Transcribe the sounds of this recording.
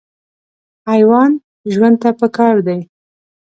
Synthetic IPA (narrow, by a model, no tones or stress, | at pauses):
ajwɑn | ʒwand̪̚t̪apəkɑɾd̪aj